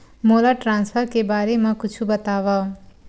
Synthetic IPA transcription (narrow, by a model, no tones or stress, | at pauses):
molaʈɾãnspʰʌɾkebaːɾemãkut͡ʃʰubət̪aʋʌ